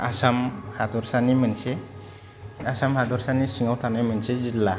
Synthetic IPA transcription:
asamhad̪ɔɾsanimɯnse | asamhad̪ɔɾsanisiŋawt̪ʰanajmɯnsezilːa

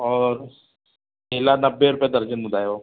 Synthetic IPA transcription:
ɔːɾ | keːlanɐbːeɾʊpjed̪ɐɾd͡ʒənmʊd̪ʱaːjoː

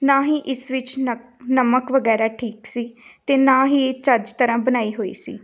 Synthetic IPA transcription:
naːɦiːʔɪsʋɪt͡ʃnəməkʋəɡɛːɾaːʈʰiːksiːt̪eːnãːɦiːeːt͡ʃəɾd͡ʒt̪əɾãːbənaːiːɦoːḭːsḭː

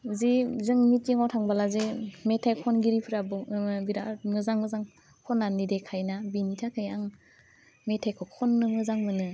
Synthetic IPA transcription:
zizɯŋmitiŋɔtʰaŋbalazemetʰajkʰɔnɡiɾipʰɯɾabɔbiɾaʔmɯzaŋmɯzaŋ | kʰɔnːanidekʰajnabinitʰakʰɯjaŋ | metʰajkʰɔkʰɔnːɯmɯzaŋmɯnɯ

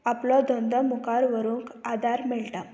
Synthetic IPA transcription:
aplɔd̪ɔnd̪ʱəmukaɾʋəɾũːŋkad̪aɾmeɭʈa

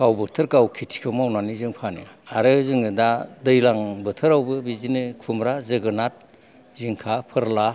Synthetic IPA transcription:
kawbɯtʰɯɾkawkʰitʰi̥kʰɯmawnanizɯŋpʰanɯ̰aɾɯzɯŋɯdadɯjlaŋbɯtʰɯɾawbɯbizinɯkʰumɾazɯɡɯnat̚ | ziŋkʰapʰɯɾla

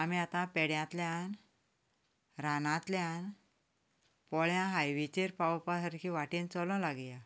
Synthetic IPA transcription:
amiat̪ãpɛɽjãt̪ljan | ɾanãt̪ljãn | pɔɭjãɦajʋit͡ɕeɾpawpasəɾkʰiʋaʈĩnt͡sɔlɔ̃laɡja

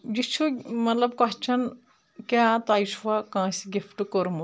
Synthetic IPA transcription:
d͡ʒit͡ʃʰumɐt̪lɐb̚kat͡ʃʰɐn | kaːt̪aːisuwakãːsiɡifʰʈkoɾmu

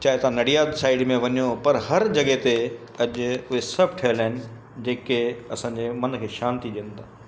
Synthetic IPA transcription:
t͡ɕaːɦɪt̪ãnɐɽijaːd̪saːɪɖmẽʋɐɲjopɐɾɦɐɾd͡ʑɐɠet̪e | ɐʄʊʊɦesɐbʱʈʰɐɦəlaːɪnɪ̆ | d͡ʑeːkeɐsãːɲd͡ʑemɐnkʰeːʃaːnt̪iɗiə̃nd̪aː

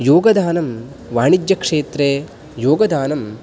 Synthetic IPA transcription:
joːɡɐd̪aːnɐm | ʋaːɳid͡ʒjɐkʂeːt̪ɾe | joːɡɐd̪aːnɐm

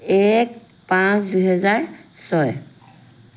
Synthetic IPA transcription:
ek | pãsdujɦɛzaɹsɔj

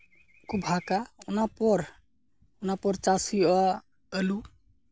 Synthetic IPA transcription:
kubʱakaunapɔɾ | unapɔɾt͡ʃasiɔ | əlu

